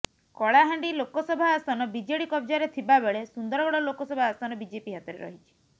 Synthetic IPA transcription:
kɔɭaɦaɳɖilokɔsɔbʱaːst̪ʰanɔbid͡ʒeɽikɔbd͡ʒaɾet̪ʰibabeɭesund̪ɔɾɔɡɔɽɔlokɔsɔbʱaast̪ʰanɔbid͡ʒepiɦat̪ɔɾḛɾɔ̰ɦit͡ʃʰi̥

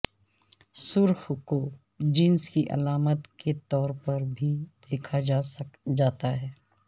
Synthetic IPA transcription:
sʊɾxko | d͡ʒɪnskiʔɐ̰laːmət̪ket̪ɔːɾpɐɾbʱid̪̥eːkʰad͡ʒad͡ʒaːt̪aɦɛː

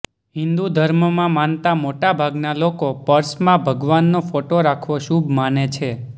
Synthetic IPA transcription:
ɦɪ̃nd̪ud̪ʱəɾməmãmant̪amoʈabʱaɡnalokopəɾsmãbʱəɡʋanːofoʈoɾakʰʋoʃubmanet͡ʃʰe

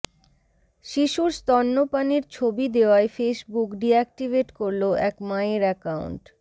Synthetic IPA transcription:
ʃiʃuɾst̪ɔnːopaniɾt͡ɕʰobid̪eoaefeʃbukɖiɛk̚ʈibeʈkoɾloʔɛkmaeɾɛkaṵɳʈ

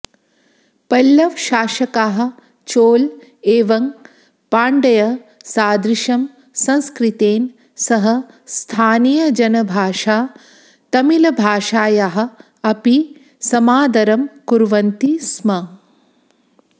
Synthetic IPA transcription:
pɐlːɐʋʃaːʃɐkaːɦɐ̆ | t͡ʃoːl | eːʋɐŋ | paːɳɖɐjɐsaːd̪ɾiʃɐm | sɐ̃nskɾit̪eːn | sɐɦɐ | st̪ʰaːnijɐd͡ʒɐnɐbʱaːʃaː | t̪ɐmilɐbʱaːʃaːjaɦɐ̆ | ɐpi | sɐmaːd̪ɐɾɐmkuɾʋɐnt̪ismɐ

